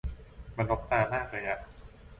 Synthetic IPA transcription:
ma˧nlo˦˥p̚t̪aː˧˩maː˥˩k̚lɤː˧jʔa˨˩ʔ

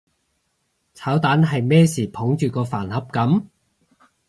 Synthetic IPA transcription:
t͡sʰaː˨˥wt̪aː˨˥nɦɐ˨jmɛː˥siː˨˩pʰo˨˥ŋt͡ʃyː˨˩kɔː˧faː˨˩nhɐ˨˥p̚kɐ˨˧˥m

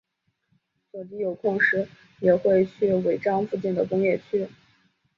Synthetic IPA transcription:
swɔ˨˩t͡ɕi˥jo˨˩ʊkʰʊ˥˩ŋʂɻ̩˥ | jɛ˨˩xwe˥˧ɪt͡ɕʰy˥˩we˧˥ɪʈ͡ʂɑ˥ŋfu˥˧t͡ɕi˥˩nd̪ə˩kʊ˥ŋjɛ˥˩t͡ɕʰy˥

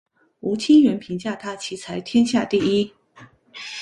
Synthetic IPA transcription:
u˧˥t͡ɕʰi˥ŋɥɛ˧˥npʰi˧˥ŋt͡ɕja˥˩t̪ʰa˥t͡ɕʰi˧˥t͡sʰa˧˥ɪt̪ʰjɛ˥nɕja˥˧t̪i˥˩i˥

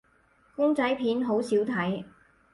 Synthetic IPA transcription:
kʊ˥ŋt͡sɐ˨˥jpʰiː˨˥nɦo˨˧˥wsiː˨˥wt̪ʰɐ˨˥j

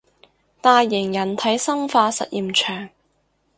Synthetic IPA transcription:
t̪aː˨˧jːɪ˨˩ŋjɐ˨˩nt̪ʰɐ˨˥jsɐ˥mfaː˧sɐ̰˨t̚jiː˨mt͡ʃʰœː˨˩ŋ

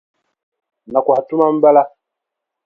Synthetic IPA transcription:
na˨ku˨ha˨tu˦ma˦m̩˦ba˦la˦

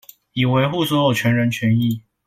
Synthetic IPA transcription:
i˨˩we˧˥ɪxu˥˩˨swɔ˧˥jo˨˩ʊt͡ɕʰɥɛ˧˥nɻə˧˦nt͡ɕʰɥɛ˧˥ni˥˩˨

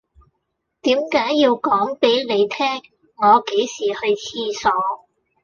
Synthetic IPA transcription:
t̪iː˨˥mkaː˨˥jːiː˧wkɔː˨˥ŋpe˨˥jne˨˧jt̪ʰɛː˥ŋː | ɔː˨˧ke˨˥jsiː˨˩hɵ˧ɥt͡sʰiː˥sɔː˨˧

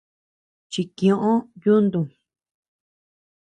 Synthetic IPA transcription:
t͡ʃi˧kĩ˧õ˧ʔõ˦ju˦nd̪ũ˨

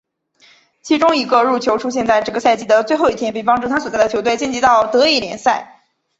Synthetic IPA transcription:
t͡ɕʰi˧˥ʈ͡ʂʊ˥ŋi˧˥ɡə˧ɻu˥˩t͡ɕʰjo˧˥ʊʈ͡ʂʰu˥ɕjɛ˥˧nt͡sa˥˧ɪʈ͡ʂɤ˥˩ɡə˩sa˥˩ɪt͡ɕi˥d̪ə˨˧t͡swe˥˧ɪxo˥˧ʊi˥˩t̪ʰjnpe˥˩ɪpɑ˥ŋʈ͡ʂu˥˩t̪ʰa˥swɔ˨˩t͡sa˥˩ɪd̪ə˩jo˧˥ʊt̪we˥˧ɪt͡ɕjɛ˥˩nt͡ɕi˧˥t̪ɑ˥˩ʊt̪ɤ˧˥i˥˩ljɛ̰˧˥nsa˥˩ɪ

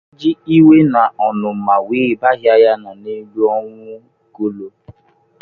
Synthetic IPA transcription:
d͡ʒi˦i˦we˦nã˨ɔ˨nũ˨mã˨wi˨˦i˨˦ba˦ɦi˦a˧ja˦nã˨nĩ˦du˧ɔ˧wũ˦ | ɡo˨˦lo˧

